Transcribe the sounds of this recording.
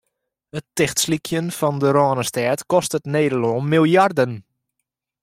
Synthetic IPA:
ətɪxtslikʰjənfɔndəɾɔːnəstɛːtkɔstətneːdəloːnmilˠjardən

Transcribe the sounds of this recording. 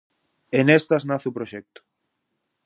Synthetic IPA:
enest̪aznaθupɾoʃɛk̚t̪ʊ̥

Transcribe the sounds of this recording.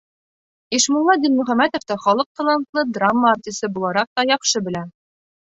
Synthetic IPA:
iʃmulˠːɑd̪inmɵ̆χæmæt̪ŏft̪ɑχɒlˠɤq̚t̪ɑlˠɑnt̪lˠɤd̪ramːəːrt̪ʲisɤbulˠɑɾɑq̚t̪ɒjɒqʃɤbɘ̆læ

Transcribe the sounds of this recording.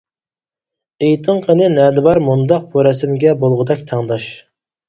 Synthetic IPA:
ejt̪ʰɨŋqʰənɨnɛd̪ɨbɑɾmund̪ɑq̚buɾɛsɪmɡʲɛbolˠʁəd̪ɛkʲt̪ʰæŋd̪ɑʃ

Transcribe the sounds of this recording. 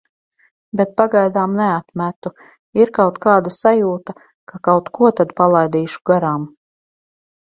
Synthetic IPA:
bet̪̚paɡajd̪aːmnɛat̪mæt̪u | iɾkawt̪kaːd̪asajuːt̪a | kakawt̪kuɔt̪ad̪palˠajd̪iːʃu̥ɡaɾaːm

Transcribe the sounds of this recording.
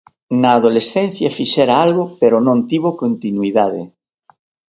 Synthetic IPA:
naːðolesθen̟θjafiʃeɾaalɣopeɾonõnt̪iβokont̪inwiðaðe

